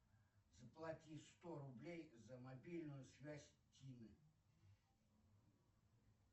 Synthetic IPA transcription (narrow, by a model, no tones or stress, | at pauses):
zəplˠatʲist̪oɾʊblʲejzəmabʲilʲnʊjʊsʲvʲæsʲtʲinɨ